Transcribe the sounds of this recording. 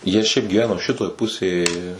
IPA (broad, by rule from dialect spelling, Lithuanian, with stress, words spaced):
ˈjiɛ ʃʲɛɪp ɡʲiːˈʋʲæːnoː ˈʃʲɪtoːj ˈpʊsʲeːj